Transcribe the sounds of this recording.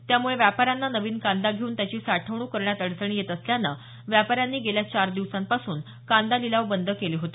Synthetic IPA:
t̪jamuɭeʋjapaɾjanːanəʋiːnkãnd̪aɡʱeuːnt̪jat͡ɕiːsaʈʰəʋɳuːkəɾɳjat̪əɽt͡səɳ̃iːjet̪əsljanːa̰ | ʋjapaɾjanːiːɡeljat͡ɕaɾd̪iʋsampasuːn | kand̪alilaʋbənd̪əkeliːɦot̪i

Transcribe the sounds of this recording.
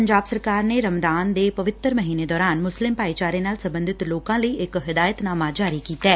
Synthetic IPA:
pəɲd͡ʒaːbsəɾkaːɾneːɾəmd̪aːnd̪eːpəʋɪt̪ːəɾməɦiːneːd̪ɔːɾaːnmʊslɪmpaːit͡ʃaːɾeːnaːlsəmbə̃nd̪ɪt̪loːkãːləiːɪkɦɪd̪aːjət̪naːmaːd͡ʒaːɾiːkiːt̪ɛː

